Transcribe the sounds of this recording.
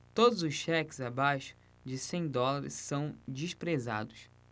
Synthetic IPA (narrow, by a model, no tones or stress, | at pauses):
t̪od̪ʊzʊsʃɛkɪ̥zabajʃʊ̥ | d͡ʒɪsẽj̃d̪ɔlaɾɪ̰sːɐ̃w̃d͡ʒiʃpɾeza̰d̪ʊs